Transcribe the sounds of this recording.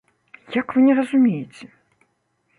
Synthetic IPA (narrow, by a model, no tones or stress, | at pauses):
jakvɨnʲɛrɐzumʲejɪt͡sʲɛ